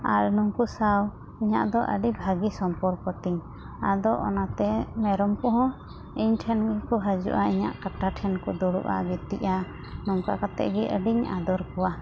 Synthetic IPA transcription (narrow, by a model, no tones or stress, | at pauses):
a̰ɾnuŋkusaw | iɲa̰ʔd̪ɔʔə̰ɖibʱaɡisɔmpɔɾkɔt̪iɲ | ad̪ɔʔɔnat̪ɛmɛɾɔmkɔɦɔ̃ | iɲʈʰɛnɡɛkɔɦad͡ʒṵʔaiɲa̰ʔkaʈaʈʰɛnkɔd̪ɔɽṵʔa̰bit̪iʔa | nɔŋkakat̪ɛ̰ʔɡɛʔəɖiɲa̰d̪ɔɾkɔwa